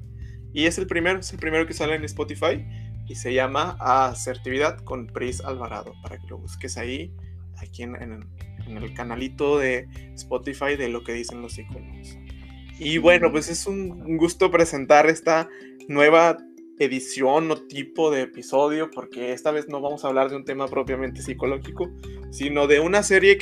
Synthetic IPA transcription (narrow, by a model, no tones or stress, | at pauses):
ie̞selpɾime̞ɾoeselpɾime̞ɾo̞ke̞salenespot̪ifaj | ise̞ʝamaʔase̞ɾt̪iβiðaðko̞npɾisa̰lβaɾa̰ðo̞̰paɾa̰ke̞lo̞̰βuske̞sai | akienḛn | enelkanalit̪o̞ðe̞ | spo̞t̪ifajðe̞lo̞ke̞ðise̞nlo̞sikonoɣs | iβwe̞no̞pwe̞se̞suŋɡust̪o̞pɾe̞se̞nt̪aɾe̞st̪a | nwe̞β̞a | e̞ðisjo̞no̞t̪ipo̞ðe̞ːpiso̞ðjo̞po̞ɾke̞e̞st̪aβ̞e̞zno̞βamo̞saːβlaɾðe̞unt̪e̞mapɾo̞pjament̪e̞siko̞lo̞xiko̞sino̞ðe̞unase̞ɾje̞